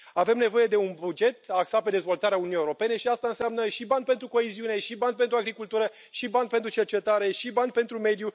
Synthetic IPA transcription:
ave̞mne̞vo̞je̞d̪e̞unbud͡ʒe̞t̪̚aksat̪̚pe̞d̪e̞zvo̞lt̪aɾeaununijeuɾo̞pe̞ne̞ʃiast̪aɨnseamnəʃiband̪pe̞nt̪ɾuko̞eziune̞ʃiband̪̚pe̞nt̪ɾuaɡɾikult̪uɾə | ʃibanpent̪ɾut͡ʃe̞rt͡ʃe̞t̪aɾe̞ʃiband̪̚pe̞nt̪ɾume̞d̪ju

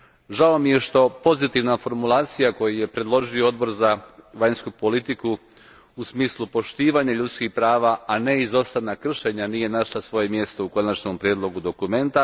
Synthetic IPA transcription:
ʒaomije̞ʃt̪o̞po̞zit̪iʋnafo̞ɾmulˠaːt̪sijako̞jije̞pɾe̞d̪lˠo̞ʒiood̪̚bo̞ɾzaʋaɲskupo̞lit̪iku | usmiːslˠupo̞ʃt̪iːʋaɲaʎut̪skixpɾaːʋaʔane̞izo̞st̪anakr̩ʃe̞ɲanije̞naʃlˠasʋo̞je̞mje̞st̪o̞uko̞nat͡ʃnompɾjed̪lˠo̞ɡud̪o̞kume̞nt̪a

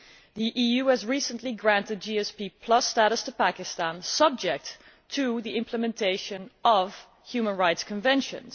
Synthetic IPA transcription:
ðiʔijʉɨzɹisə̃nʔliɡɹæ̃ntɨd̚d͡ʒiɛspipʰl̥ʌstæɾəstʰəpækɪstæ̃nsʌb̚d͡ʒɛk̚tʰ | ɨðiʔɪ̃mpʰləmɛ̃ntʰeɪʃɨ̃nʌv̥ | hjʉmə̃nɹaɪtskʰə̃ɱvɛ̃nʃɨ̰̃nz̥

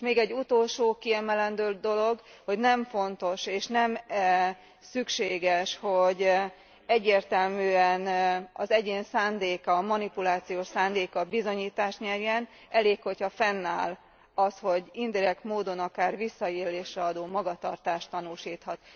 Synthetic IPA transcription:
meːɡɛɟːut̪olʃoːkiɛmɛlɛnd̪øːd̪o̞lo̞ɡho̞ɟnɛɱfo̞nt̪o̞ʃeːʃnɛm | sykʃeːɡɛʃho̞ɟ | ɛɟːeːrt̪ɛlmyːɛnɒzɛɟeːnsaːnd̪eːkɒmɒnipulaːt̪sijoːʃsaːnd̪eːkɒbizo̞ɲiːt̪aːʃt̪ɲɛrjɛn | ɛleːkho̞chɒfɛnːa̰ːl | ɒsho̞ɟind̪iɾɛkt̪moːd̪o̞nɒkaːrvisːɒeːleːʃrɛɒd̪oːmɒɡɒt̪ɒrt̪aːʃt̪ːɒnuʃiːt̪hɒt̪̚

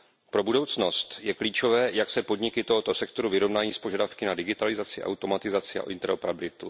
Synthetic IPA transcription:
pɾo̞budo̞wt͡sno̞st̪jɛkliːt͡ʃo̞vɛːjaksɛpo̞dɲɪkɪt̪o̞ɦo̞t̪o̞sɛkt̪o̞ɾuvɪɾo̞vnaːjiːspo̞ʒadafkɪnadɪɡɪt̪alɪzat͡sɪʔa̰wt̪o̞mat̪ɪzat͡sɪa̰ʔɪ̰nt̪ɛɾopɾabɪlɪt̪u

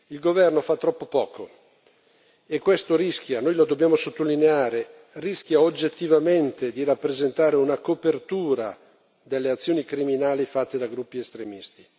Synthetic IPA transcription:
ilɡovɛrnofat̪ːɾɔpːopɔːko | ekːwest̪oɾiskjanojlod̪objaːmosot̪ːolineaːɾe | risk̟jaod͡ʒːet̪ːivament̪ed̪irapːɾezent̪aːɾeunakopert̪uːɾa | d̪elːeat̪sːjoːnikɾiminaːlifat̪ːed̪aɡɾupːiest̪ɾemist̪i̥

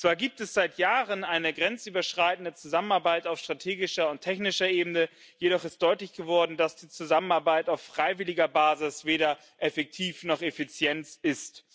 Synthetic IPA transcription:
t͡sv̥aːɐɡiːp̚tɛsz̥aɪtjaːʁənaɪnəɡʁɛnt͡syːbɐʃʁ̥aɪtn̩dət͡suzamənaɐbaɪtaʊfʃtʁ̥atʰeːɡɪʃɐʊntʰɛçnɪʃɐʔeːbn̩ə | jedɔχɪst̚d̥ɔʏtlɪçɡ̥əvɔɐdn̩d̥asd̥iːt͡suzamənaɐbaɪtaʊfːʁ̥aɪvɪlɪɡɐbaːzɪsv̥eːɾɐ | ʔɛfɛk̚tʰiːfnɔχefit͡sjɛntʔɪst

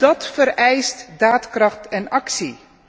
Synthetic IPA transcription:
dɑtfəɾɛjstdaːtkrɑχtɛnɑksi

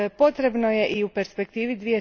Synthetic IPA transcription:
po̞t̪ɾe̞bno̞je̞ʔiupe̞ɾspe̞kt̪iːʋid̪ʋije̞

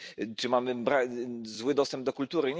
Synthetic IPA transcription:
t͡ʂɘmamɘbɾazwɘd̪ɔst̪ɛmb̚d̪ɔkult̪uɾɘɲ

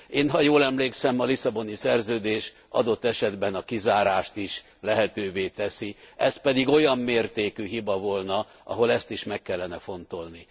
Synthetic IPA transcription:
eːnɦɒjoːlɛmleːksɛmɒlisɒbo̞nisɛrzøːd̪eːʃ | ʔɒ̰d̪o̞t̪ːɛʃɛd̪bɛnɒkizaːɾaːʃt̪iʃ | lɛɦɛt̪øːveːt̪ɛsiɛspɛd̪iɡo̞jɒmːeːrt̪eːkyɦibɒvo̞lnɒ | ʔɒ̰ɦo̞lɛst̪iʃmɛkːɛlːɛnɛfo̞nt̪o̞lni

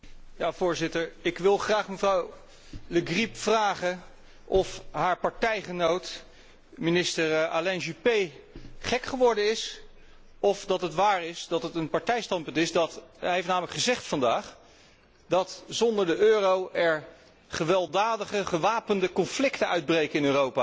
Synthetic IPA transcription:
jaːvʊːɹzɪtəɹɪkʋɪlˠχraːχməvrɑw | ləɡripfraːχən | ʔɔfɦaːɹpɑɹtɛjχənowt | minɪstəɹalɛnʒypejχɛkχəʋɔɹdəɪs | ɔfdɑtətʋaːɹɪsdɑtətənpɑɹtɛjstɑntpɵntɪzdɑtɦejftnaːmələkχəzɛχtfɑndaːχ | dɑtzɔndəɹdəʔøːrowʔɛɹ | χəʋɛlˠdaːdəχəχəʋaːpəndəkɔnflɪktənœɥd̚brejkəɪnøːrowpaː

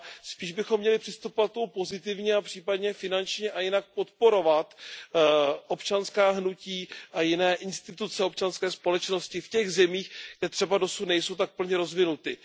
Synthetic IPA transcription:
spiːʒbɪxomːɲɛlɪpr̥ɪst̪upovat̪̚t̪omupo̞zɪt̪̬ɪvɲɛapr̥iːpadɲɛfɪnant͡ʃɲɛʔajɪnak̚po̞t̪po̞ɾo̞vat̪ | ʔo̞pt͡ʃanskaːɦnuciːʔajɪnɛːʔɪnst̪ɪt̪ut͡sɛo̞pt͡ʃanskɛːspo̞lɛt͡ʃno̞scɪfcɛɣzɛmiːxɡ̥dɛt̪r̥ɛbado̞sut̪nɛjso̞wt̪ak̚pl̩ɲɛɾo̞zvɪnut̪ɪ

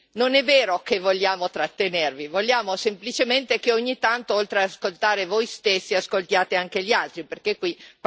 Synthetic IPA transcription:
nonɛvːeːɾokevːoʎːaːmot̪ɾat̪ːenervivoʎːjaːmosemplit͡ʃement̪ekeoɲːit̪ant̪oolt̪ɾeaaskolt̪aːɾevojst̪esːiaskolt̪jaːt̪eaŋk̟eʎialt̪ɾiperkekwi

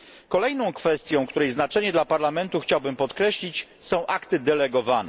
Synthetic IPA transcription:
kɔlɛjnɔ̃w̃kfɛst̪ʲjɔ̃w̃kt̪uɾɛjznat͡ʂɛɲɛd̪lapaɾlamɛnt̪uxt͡ɕawbɘmpɔt̪kɾɛɕlʲit͡ɕsɔ̃w̃ʔakt̪ɘd̪ɛlɛɡɔvanɛ

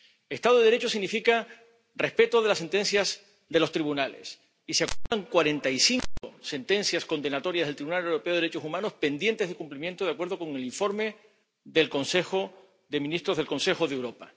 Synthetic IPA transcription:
est̪aðoððeɾe̞t͡ʃosiɣnifika | re̞spe̞t̪oðe̞lasːe̞nt̪e̞nsjaz | ðe̞lo̞st̪ɾiβunale̞̰s | iseakut̪aŋkwaɾe̞nt̪aisiŋkose̞nt̪ẽ̞nθjasko̞nd̪e̞nat̪o̞ɾjazðelt̪ɾiβunalewɾo̞pe̞oɾet͡ʃo̞sumãno̞spe̞nd̪je̞nt̪ezðe̞kumplimjẽ̞nt̪oð̞akwe̞ɾðo̞ko̞ŋe̞liɱfo̞ɾme̞ | ðe̞lkõ̞nse̞xo̞ | ðe̞mĩnist̪ɾo̞zðelkõ̞nse̞xoðewɾo̞pa

